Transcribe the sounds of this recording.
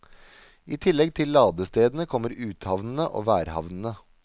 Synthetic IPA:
iːt̪ʰɪlɛɡt̪ʰɪllːɑːd̪əst̪eːd̪n̩əkʰɔmːəɾʉːt̪hɑʋnn̩əʔo̰ːʋæːɾhɑ̰ʋnn̩ə

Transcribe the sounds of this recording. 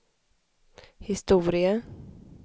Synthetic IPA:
hɪst̪uːɾɪə

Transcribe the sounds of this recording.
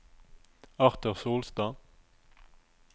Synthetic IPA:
ɑʁt̪əʁsoːlst̪ɑː

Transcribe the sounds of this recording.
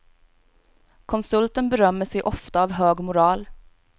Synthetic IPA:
kʰʊnsʉlt̪ənbəɾœməseɪʔɔft̪əɑːʋhøːɡmʊɾɑːl

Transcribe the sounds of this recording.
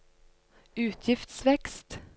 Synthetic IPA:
ʉːt̪ʰjɪft̪svɛkst̪

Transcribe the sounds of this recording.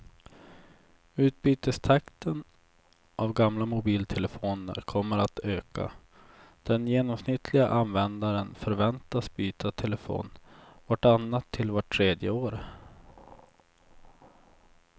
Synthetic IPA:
ʉ̟ːt̪̚byːt̪əst̪ʰakt̪ən | ʔavɡamlamʊbiːlt̪ʰɛləfoːnə̰ɾkʰɔmːəɾat̪øːka̰ | d̪̥ɛnjeːnɔmsnɪt̪ʰlɪɡa̰ʔanvɛnd̪aɾənfœɾvɛnt̪asbyːt̪at̪ʰɛləfo̰ːnvɔʈanːat̪ʰːɪlvaʈʰːɾeːd̪jəoːɾ

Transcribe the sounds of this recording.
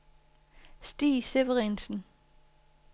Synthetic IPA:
sd̥ḭːseʋəʁinsn̩

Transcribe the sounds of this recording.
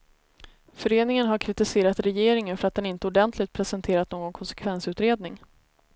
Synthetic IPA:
fœɾeːnɪŋənɦaɾkʰɾɪt̪ɪseːɾat̪ɾɛjeːɾɪŋənfœɾat̪̚d̪ɛnɪnt̪əʊɖɛnt̪ʰlɪɡ̚t̪̚pʰɾɛsɛnt̪ʰeːɾat̪noːɡɔnkʰɔnsɛ̥kʰvɛnsʉ̟ːt̪ɾeːd̪nɪŋ

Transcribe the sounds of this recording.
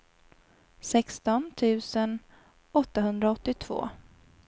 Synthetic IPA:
sɛkst̪ɔnt̪ʰʉ̟ːsən | ɔt̪ːaɦɵnd̪ɾaɔt̪ːɪt̪ʰv̥o̰ː

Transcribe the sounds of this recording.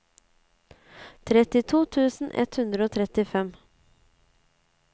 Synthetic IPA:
t̪ʰɾɛt̪ɪt̪ʰuːt̪ʰʉːsn̩ʔɛ̰t̪hʉnd̪ɾəoːt̪ʰɾɛt̪ɪfɛm

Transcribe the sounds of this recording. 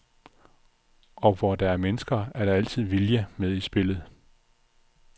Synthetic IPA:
ɒ̽ʋɒd̥ɑ̈æɐmenəsɡ̥ɐæɐɾ̥ɑ̈æl̰t͡sʰið̞̰ˠʋiljəmeð̞ˠisb̥e̝lð̞̩ˠ

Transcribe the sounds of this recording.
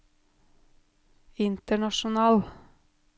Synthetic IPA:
ɪnt̪əɳɑʃʊnɑːl

